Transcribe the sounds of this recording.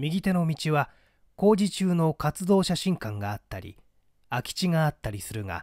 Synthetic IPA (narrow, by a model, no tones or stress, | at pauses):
mʲiɡʲit̪e̞no̞mʲit͡ɕiβa | ko̞ːd͡ʑit͡ɕɨːno̞kat͡sɨd̪o̞ːɕaɕĩŋkãŋɡaːt̪ːa̰ɾʲḭ | akʲi̥t͡ɕiŋaːt̪ːaɾʲisɨɾɯ̟ŋa̰